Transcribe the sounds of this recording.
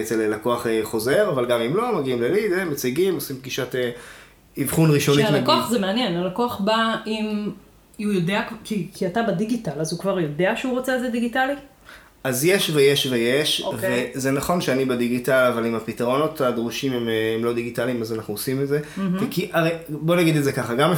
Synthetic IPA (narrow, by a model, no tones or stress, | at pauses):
et͡selelako̞aχeχo̞ze̞ʁavalɡamimlo̞maɡiimlelidemːet͡siɡimosimb̚ɡiʃate | ivχunʁiʃonilekoaχzemeanjenalakoaχbaim | ujodeakkikʰiatabadiɡitalazukvaʁjo̞deaʃeuʁot͡seezediɡitali | azjeʃvejeʃvejeʃovezenaχo̞nʃeanibediɡitalavalimapitaʁo̞no̞tad̪ʁuʃimememlo̞diɡitalimazanaχnuosimetze̞vekiʔaʁejbo̞naɡid̪etdzekaχaɡam